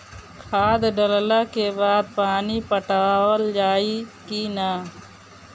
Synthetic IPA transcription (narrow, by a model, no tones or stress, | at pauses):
kʰaːd̪ɖəllaːkebaːd̪̚paːnipəʈaːwəld͡ʒaːikinaː